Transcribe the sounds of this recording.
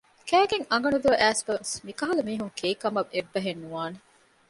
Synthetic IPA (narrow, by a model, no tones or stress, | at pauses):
kæːɡeŋɐŋ̆ɡɐnud̪uɐʔæːsbɐʋesmikɐɦɐlɐmiːɦuŋkʰeːkɐmɐʋʔebːɐɦenːuʋaːne